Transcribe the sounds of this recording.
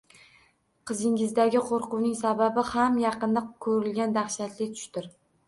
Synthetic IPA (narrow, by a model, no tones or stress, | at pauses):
qʰɨzɪŋɪzd̪aɡʲɪqʰoɾqʊwnɪŋsababɪhamjɑqɨnd̪akʰɵɾɪlɡʲand̪aχʃat̪lɪt̪ʰʊ̥ʃt̪ɪɾ